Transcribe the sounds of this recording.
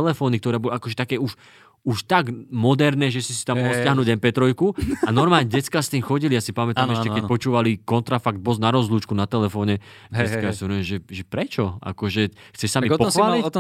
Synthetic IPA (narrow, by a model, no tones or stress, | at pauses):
ɛlɛfɔːnik̚t̪ɔɾɛːbɔlakɔʒɛt̪akɛːuʃ | uʃt̪aɡmɔd̪ɛɾnɛːʒɛsisi̥t̪amːɔɦɔlscɪaɦnuːɟɛmpɛt̪ɾɔjkuanɔɾmaːlɲɛɟɛt͡skast̪iːmxɔɟilijasipamɛt̪amɛʃcɛkɛcpɔt͡ʃuːʋalikɔnt̪ɾafaɡ̚d̪̚bɔznaɾɔzluːt͡ʃkunat̪ɛlɛfɔːɲɛ | ɛt͡skajasivɛɾuʊɛmʒɛʒɛpɾɛt͡ʃɔa̰kɔʒɛxt͡sɛʃsamipɔai